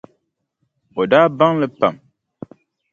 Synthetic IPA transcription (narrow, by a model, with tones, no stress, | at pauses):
o˨daː˦ba˦ŋlɨ˦pa˨m